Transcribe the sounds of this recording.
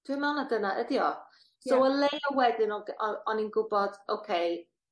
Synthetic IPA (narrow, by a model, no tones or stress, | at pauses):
d̥wɪmawnadənaʔədiɔ | sowəlejɔwɛdɪnɔɡɔɔninɡʊbɔd̥owkʰej